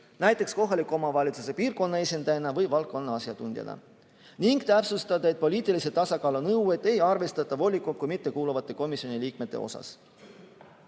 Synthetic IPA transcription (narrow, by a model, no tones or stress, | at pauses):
næjt̪ːˑe̞ksko̞ɦɑlikːˑo̞mɑvɑlʲit̪suse̞piːrko̞nːɑe̞sʲind̪̥ɑjenɑvɤjvɑlk̚kːˑo̞nːɑɑsjɑt̪unʲd̪jɑ̰nɑ̰ | niŋɡ̥t̪æpsust̪ɑd̪̥ɑe̞t̪̚po̞lʲiːt̪ːˑiliset̪ɑsɑkɑːlonɤwe̞t̪ːˑe̞jɑrve̞st̪ɑt̪ːˑɑvo̞lʲikːˑukujmit̪ːe̞kuːluvɑt̪ːˑe̞ko̞misjo̞niliːkme̞t̪ːˑe̞̰o̞̰sɑ̰s